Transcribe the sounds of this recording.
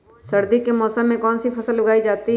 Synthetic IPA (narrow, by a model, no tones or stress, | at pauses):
sɐɾd̪ikemɔːsəmːẽkɔːnsipʰɐsəllɐɡaːid͡ʒaːt̪i